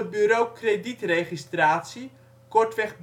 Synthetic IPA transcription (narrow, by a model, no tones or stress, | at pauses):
ət̚byɾowkreditrejχistraːtsi | kɔɹtʋɛχb